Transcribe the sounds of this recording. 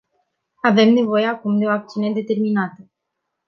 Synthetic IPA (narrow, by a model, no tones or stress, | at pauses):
ave̞mne̞vo̞je̞akumd̪e̞o̞ak̚t̪siune̞d̪e̞t̪e̞rminat̪ə